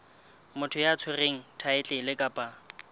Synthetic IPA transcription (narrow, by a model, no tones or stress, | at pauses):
mʊtʰʊjaːt͡sʰʊreŋ̩tʰaɪt͡ɬʼɪlɪkʼapʼa